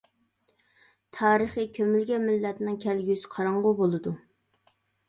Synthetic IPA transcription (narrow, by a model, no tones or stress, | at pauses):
t̪ʰɑːɾəχikʲʰømylɡʲɛmɪlːɛt̪nɨŋkʲʰɛlɡʲysɪ̥qʰɑɾɑɴʁʊbolˠɨd̪u